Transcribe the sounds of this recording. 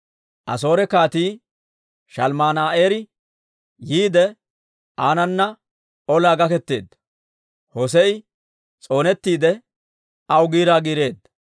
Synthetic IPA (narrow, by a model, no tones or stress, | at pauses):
ʔɐ̰so̞ːɾɛkaːt̪iː | ʃɐlmaːnaːʔeːɾɪ | jiːd̪ɛ | aːnɐnːɐ | ɔlaːɡɐkɛt̪ːeːd̪ːɐ | hɔsɛɪ | t͡sʼo̞ːnɛt̪ːiːd̪ɛ | ɐwɡiːɾaːɡiːɾe̞ːd̪ːɐ